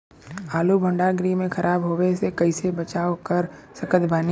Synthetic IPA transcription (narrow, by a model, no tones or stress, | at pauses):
aːlubʱə̃ɳɖaɡɾimẽxɐɾʔaːbɦoːwesekɐɪsebət͡ʃaːokəɾsɐkət̪ʰbaːni